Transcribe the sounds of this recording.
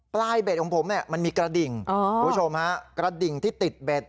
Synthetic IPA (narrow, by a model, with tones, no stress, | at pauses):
plaː˥˩jbe˨˩t̪̚kʰːŋpʰo˩˦mni˥˩ma˧nmiː˧kɾa˧di˨˩ŋʔɔː˧u˦˥t͡ɕʰo˧mha˦˥kɾa˧di˨˩ŋt̪ʰiː˥˩t̪i˨˩t̪̚be˨˩t̪̚